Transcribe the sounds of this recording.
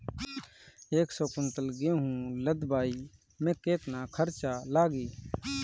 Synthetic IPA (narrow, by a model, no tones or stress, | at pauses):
eːksoːkʊnt̪əlɡẽːɦũːləd̪baːiː | mẽːkeːt̪naːkʰəɾt͡ʃaːlaːɡiː